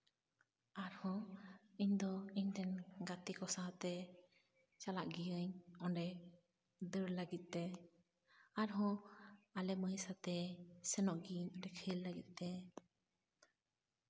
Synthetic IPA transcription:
aɾhɔ̃iɲd̪ɔiɲt̪ɛnɡat̪ikɔsat̪ɛ | t͡ʃalaʔɡijəɲɔɖɛ | d̪əɾləɡit̪̚ˀt̪ɛ | aɾɦɔ̃alɛməjsat̪ɛsɛnɔʔɡiəɲɔɖɛkʰəlːəɡit̪̚ˀt̪ɛ

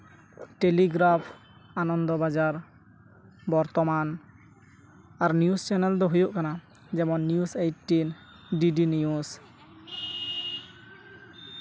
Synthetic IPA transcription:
ʈeliɡɾapʰ | anɔnd̪ɔbazaɾ | bɔɾt̪ɔman | aɾniust͡ʃɛnɛld̪ɔɦujoʔkana | zɛmɔnːiusejʈːin | ɖiɖinijus

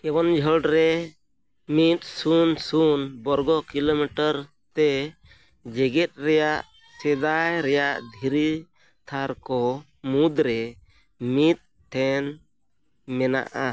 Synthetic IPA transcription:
kɛwɔnd͡ʒʱəɖɾɛ | mit̪̚sunsunbɔɾɡɔkilomiʈəɾ | t̪ɛ | d͡ʒɛɡɛt̪̚ˀɾɛjaʔ | t͡ʃɛd̪ajɾɛjaʔd̪ʱiɾi | t̪ʰaɾkɔ | mud̪ɾɛ | mit̪̚ | tʰːɛn | mɛna̰ʔa

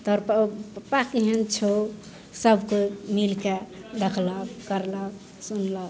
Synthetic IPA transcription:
t̪ɔɾppakiɦent͡ʃʰo | səbʱkomilked̪ekʰləkkəɾlək | sunlək

